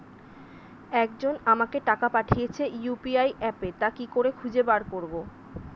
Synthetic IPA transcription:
ɛkd͡ʑonamakeʈakapaʈʰijet͡ɕʰejupiajʔɛpet̪akikoɾekʰud͡ʑebaɾkoɾbo

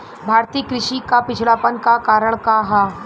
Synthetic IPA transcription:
bʱaːɾt̪iːkɾɪʃikapɪt͡ʃʰlaːpənkakaːɾəɽ̃kaɦaː

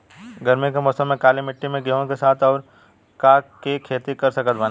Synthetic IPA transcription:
ɡʱɐɾmẽk̬emɔːsə̃mːẽkaːlimɪʈːimẽɡeõkesaːt̪ʰɔːɾ | kaːkekʰeːt̪ikɐɾsɐkət̪ban

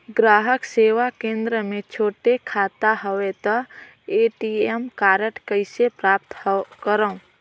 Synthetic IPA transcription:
ɡɾaːɦəkseːʋakẽːnd̪ɾəmẽt͡ʃʰoːʈekʰaːt̪aɦəwet̪ɔ | eːʈiemkaːɾəʈkəɪsepɾaːp̚t̪kəɾəũ

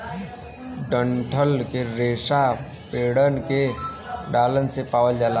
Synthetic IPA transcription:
ɖəɳʈʰəlkeɾeːsa | peːɽənkeɖaːlənsepaːʋəld͡ʒaːla

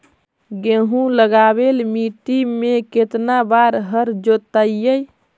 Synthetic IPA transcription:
ɡeɦũləɡabelmiʈimeket̪nabaɾɦəɾd͡ʒot̪əjəj

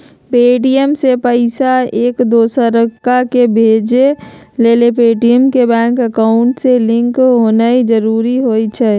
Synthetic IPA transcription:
peːʈijəmsepəɪsaeːkd̪oːsəɾəkːakebʱed͡ʒe | leːlepeːʈijəmkebɛ̃ːŋkəkaʊɳʈselɪ̃ŋkɦoːnaid͡ʒəɾuːɾiɦoit͡ʃʰɛ

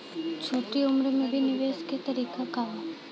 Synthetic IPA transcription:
t͡ʃʰoʈiumɾəmebʱiniʋesket̪əɾikʰakaʋa

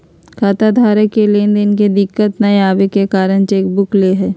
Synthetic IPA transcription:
kʰaːt̪ad̪ʱaːɾəkkːelend̪enked̪ɪkːət̪nɐeaːʋekekaːɾəñt͡ʃeːk̚bʊkleɦɛː

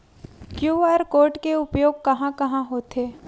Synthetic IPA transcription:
kjuːaːɾkoːɾʈkeʊpjoːɡ̚kɐɦãkɐɦãɦoːt̪eː

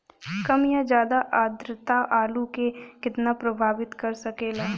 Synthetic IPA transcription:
kɐmjad͡ʒjaːd̪aʔaːd̪ɾət̪aʔaːlukekɪt̪napɾɐbʱaːʋɪt̪kɐɾsɐkeːlaː

